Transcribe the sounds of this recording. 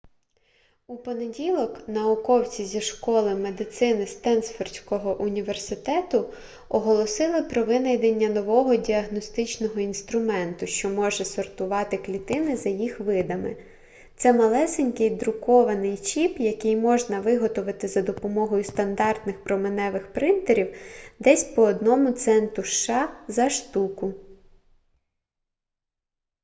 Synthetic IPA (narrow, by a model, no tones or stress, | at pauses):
upɔne̞dʲilˠɔknɐʊkɔwt͡sʲizʲiʃkɔlˠɪme̞d̪ɪt̪sɪnɪst̪ɛnsfɔrtʲkɔɦɔʔʊnʲiʋersɪt̪ɛt̪ʊ | ɔɦɔlˠɔsɪlˠɪpɾɔʋɪnɐjd̪enʲːɐnɔʋɔɦɔdʲiɐɦnɔst̪ɪt͡ʃnɔɦɔinst̪ɾʊmɛnt̪ʊʃt͡ʃɔmɔʒɛsɔrt̪ʊʋɑt̪ɪklʲit̪ɪnɪzɐjixʋɪd̪ɐmɪ̰ | t̪sɛmɐlˠɛsenʲkɪjd̪ɾʊkɔʋɐnɪjt͡ʃipjɐkɪjmɔʒnɐʋɪɦɔt̪ɔʋɐt̪ɪzɐd̪ɔpɔmɔɦɔjʊst̪ɐnd̪ɑrt̪nɪxpɾɔmɪnɛʋɪxpɾɪnt̪eɾʲiwd̪ɛsʲpɔːd̪nɔmʊt̪sɛnt̪ʊʃʃɑzɐʃt̪ukʊ